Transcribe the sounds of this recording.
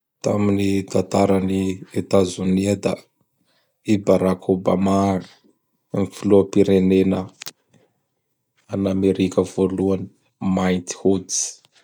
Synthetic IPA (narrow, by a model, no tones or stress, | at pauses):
t̪aminit̪ant̪aɾaniet̪azuniad̪a | ibaɾakʰoba̰ma | mifiluapiɾenenə | anameɾikʲəv̥oluani̥ | majnt̪i̥hut͡si̥